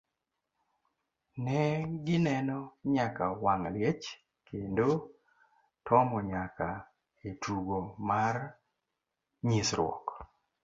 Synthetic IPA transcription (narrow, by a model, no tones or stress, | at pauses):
nɛɡɪnɛnɔɲakawaŋljet͡ʃ | kʰendo | tʰɔmɔɲaka | etʰuɡomar | ɲisɾwɔ̰k